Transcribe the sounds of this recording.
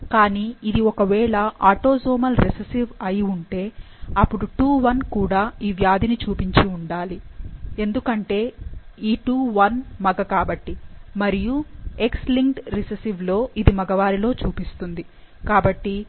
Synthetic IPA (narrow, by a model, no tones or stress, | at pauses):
kaːniːid̪iɔkɐʋɛːɭɐʔaːʈo̞ːzoːmɐlɾisesiʋɐjiuɳʈe̞ː | ɐpːuɽuʈuːʋɐnkuːɽaːiːʋjaːd̪init͡ʃuːpiɲt͡ʃiuɳɖaːlie̞nd̪ukɐɳʈe̞ːiːʈuːʋɐnmɐɡɐkaːbɐʈːimɐɾijue̞ksliŋkʈɾisesiʋlo̞ːʔid̪imɐɡɐʋaːɾilo̞ːt͡ʃuːpist̪und̪i | kaːbɐʈːi